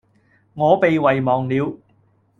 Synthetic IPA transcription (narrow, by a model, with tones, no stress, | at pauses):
ŋɔː˨˧pe˨jwɐ˨jmɔː˨˩ŋliː˨˧w